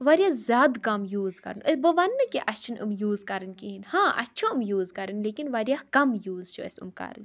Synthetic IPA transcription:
ʋɐɾʲjaːzʲjaːd̪kɐmjuːzkɐ̰ɾɨnəbəʋɐnːɨkiʔɐt͡ʃʰɨnɨ̰mjuːzkɐɾɨnʲkiɦinhãːʔɐ̰tʲːʃʰõɨmjuːzkɐɾɨnleːkinʋɐɾjaːkɐmjuːzt͡ʃʰuɐ̰sʲṵmkɐ̰ɾɨ̰nʲ

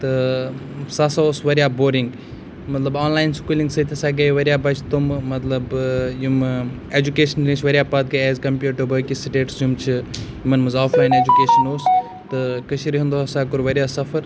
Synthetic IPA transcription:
t̪ɨ | sasaoːsʋɐɾjaːboːɾiŋɡ | mɐt̪lɐbaːnlaːjnskuːliŋɡsɐt̪ʲʰɐsaːɡɐjʋɐɾʲjaːbɐt͡ʃʰt̪ummɐt̪lɐbjum | eːd͡ʒukeːʃɐnɾĩt͡ʃʰʋɐɾʲjaːpɐt̪̚ɡɐjɛːzkɐmpʲjuːʈəbɐːkisiʈeːʈsjumt͡ʃʰijumɐnmɐzaːfʰlaːjneːd͡ʒukeːʃɐnoːs | t̪ɨkɐʃiɾiɦũnd̪oɐsaːkuɾʋɐɾjaːsɐfʰɐɾ

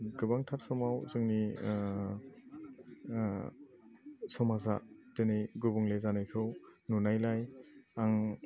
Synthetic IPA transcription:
ɡɯbaŋtʰaɾsɔmawzɯŋni | sɔmaza̰dɯnɯjɡubuŋlezanajkʰɯwnunajlajaŋ

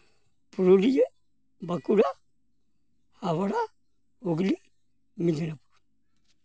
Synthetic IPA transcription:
puɾolij | bakuɾa | haβaɾa | oɡili | minaɾapu̥

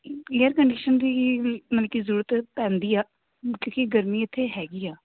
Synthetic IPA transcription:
eːəɾkəɳɖiːʃənd̪iːmənːkizəɾuːɾət̪pɛ̃ːnd̪iːaː | kõːkiɡəɾmiːɪt̪ʰːeːɦɛːɡiːaː

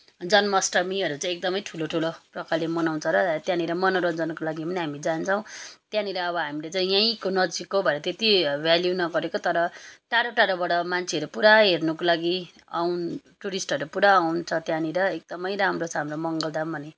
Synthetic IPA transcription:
d͡zʌnmʌsʈʌmiʌɾut͡sãek̚d̪ʌmʌjʈʰuloʈʰuloprʌkalemʌnawnt͡sʰʌɾʌt̪jãniɾʌmʌnʌɾʌnd͡zanʌkolaɡipʌniɦamid͡zant͡sʰʌ̃w̃t̪jãniɾʌʌbʌɦamilet͡saj̃jaĩkonʌd͡zikobʱʌeɾʌt̪et̪ibʱjaljunʌɡʌɾekot̪ʌɾʌʈaɽoʈaɽobaɽʌmant͡sʰeʌɾupuɾaɦernʌkolaɡi | awn | ʈuɾisʈʌɾupuɾaːwnt͡sʰʌt̪jãniɾʌek̚d̪ʌmʌjɾamrot͡sʰʌɦamromʌŋɡʌld̪abʱʌne

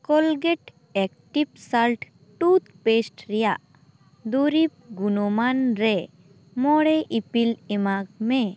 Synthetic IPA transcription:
kɔlɡɛʈ | ɛk̚ʈip̚salʈ | ʈut̪pesʈɾɛjaʔ | d̪uɾip̚ɡunɔmanɾɛ | mɔɽɛʔipilɛmaɡ̚mɛ

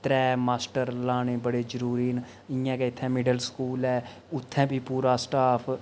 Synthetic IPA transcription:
t̪ɾɛːmaːsʈəɾlaːneːbəɽeːd͡ʒəɾuːɾiːn | ɪ̃jãːkɛɪt̪ʰːɛ̃ːmɪɖəlskuːlɛː | ʊt̪ʰːɛ̃ːbʱiːpuːɾaːsʈaːpʰ

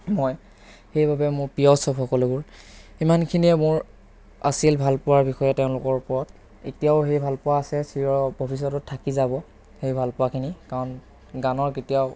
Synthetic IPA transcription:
mɔj | hejbabɛmʊɹpijɔsɔpxɔkɔlebʊɹimankʰiniɛmʊɹ | a̰silbʱalpʊwaɹbixɔjɛtɛʊ̃lʊkɔɹpɔɹɔt | ḛtijaʊɦejbʱalpʊwaːsɛsiɹɔbʱobis̬ɔtɔtʰːakizabɔ | hejbʱalpʊwakʰinikaɹɔn | ɡanɔɹketija

